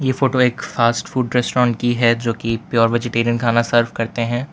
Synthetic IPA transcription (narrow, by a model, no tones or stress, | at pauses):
jefoːʈoeːkfaːsʈfuːɖɾɛːsʈɾɔ̃ːɳʈkiɦɛd͡ʒoːkipjɔːɾʋeːd͡ʒɪʈeːɾijənkʰaːnasɐɾfkɐɾt̪eɦɛ̃ː